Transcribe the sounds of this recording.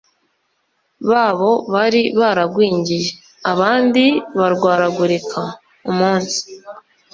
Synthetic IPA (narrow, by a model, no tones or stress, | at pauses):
βaːβo̞βaɾiβaɾaɡwiːɲɟije̞ | aβaːndiβaɾɡwaːɾaɡuɾikʰa | umuːnsi̥